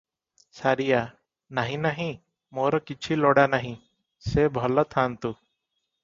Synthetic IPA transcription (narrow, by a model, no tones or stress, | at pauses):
saɾija | naɦĩnaɦĩ | mɔɾɔkit͡ʃʰilɔɽanaɦĩ | sebʱɔlɔt̪ʰant̪u